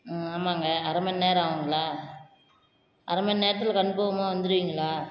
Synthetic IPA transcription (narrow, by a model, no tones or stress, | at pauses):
aːmaːŋɡɐɐɾɐmɐnneːɾ̃aːʋɐŋɡɐɭaː | ʔɐɾɐmɐnneːɾɐt̪ːɪlkɐɳːɯpoːʋɐmaːʋɐnd̪ɯɾɯʋiːŋɡɐɭaː